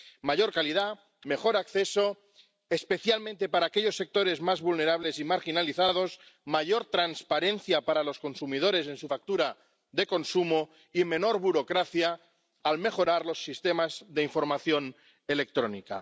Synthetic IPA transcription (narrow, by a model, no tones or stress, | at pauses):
maʝo̞ɾkaliða | me̞xo̞ɾakθe̞so̞ | espe̞θjalmẽnt̪e̞paɾaːkeʎo̞sːe̞k̚t̪o̞ɾe̞zmazβulne̞ɾaβ̞le̞simaɾxinaliθað̞o̞z | maʝo̞ɾt̪ɾanspaɾẽ̞nθjapaɾalo̞sko̞nsumið̞o̞ɾe̞s̬e̞nsufak̚t̪uɾa | ðe̞ko̞nsumo | imẽ̞no̞ɾβuɾo̞kɾaθjaː | lme̞xo̞ɾaɾlo̞sːist̪e̞mazðe̞iɱfo̞ɾmaθjo̞n | e̞le̞k̚t̪ɾo̞nika̰